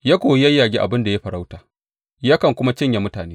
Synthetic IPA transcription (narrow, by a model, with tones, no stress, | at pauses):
ja˦kʷoː˨˦jɐ˦jːaː˨ɡʲiː˦ʔa̰˨bɪ˦nda˨ja˦ɸɐ˨ɾa˦wtaː˨ | jaː˦kɐ˨ŋkʷʊ˦ma˦t͡ʃɪ˦ɲja˨mʊ˦taː˨neː˦